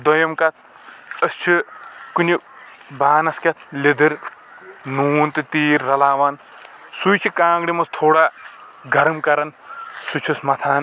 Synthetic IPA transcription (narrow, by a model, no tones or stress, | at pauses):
d̪ojɐmkɐt̪̚ʰ | ɐst͡ʃʰikunʲi | baːnɐskʲɐt̪̚ʰlid̪ɨɾ | nuːnt̪ɨt̪iːɾːɐlaːʋaːn | sujt͡ʃʰikãːŋɡɽimɐst̪ʰoːɽaː | ɡʱɐɾɐmkɐɾɐnsut͡ʃʰusmɐt̪ʰaːn